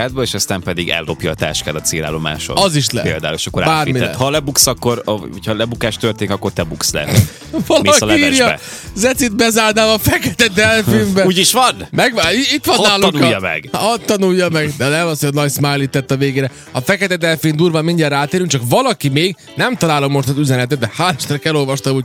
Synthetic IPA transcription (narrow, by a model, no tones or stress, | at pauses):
ad̪̚bɒeːʃɒst̪aːmpɛd̪iɡɛ̰lːo̞̰pjɒ̰ːt̪a̰ːʃka̰ːd̪ɒt̪sḛːla̰ːlːo̞ma̰ːʃo̰ɒziʃlɛ̰pḛːld̪a̰ːuleʃɒkːoɾabaːrimiɛ̰hɒlɛbuksɒkːo̞ɾocʰhɒlɛbukaːʃt̪ølt̪eːnikɒkːo̞rt̪ɛbukslɛ̰ | vɒlmiɒskːɒliiɛrjjɒɛ̰ | zɛt̪sit̪bɛzaːrnaːmɒfɛkɛt̪ɛd̪ɛlfiːmbɛuːɟiʃʋɒnmɛɡʋaiit̪ʋɒnaːlːnkjmɛ̰ɡ̥ɒt̪ːɒnujːɒmɛɡd̪ɛnɛmɒshojnɒcsmajlit̪ːɛt̪ːɒveːɡeːɾɛ | ɒfɛkɛt̪ɛd̪ɛlfind̪uːrvɒmːiɲdɛraːt̪eːɾyŋkt͡ʃɒkʋɒlɒkimeːɡ | nɛmt̪ɒlaːlo̞mːo̞ʃt̪ɒzyzɛnɛt̪ɛd̪̚d̪ɛhaːlɛʃt̪ɾɛkɛlo̞lvʋɒʃt̪ɒmoɟ